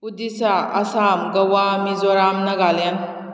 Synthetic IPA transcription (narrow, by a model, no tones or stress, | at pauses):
udisaʔasamɡɐwamizɔɾamnɐɡalen